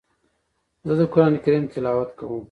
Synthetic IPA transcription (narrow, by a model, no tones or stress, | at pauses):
zəd̪əkʊɾaːnikɐɾimt̪ɪlaːwɐt̪kɐwũm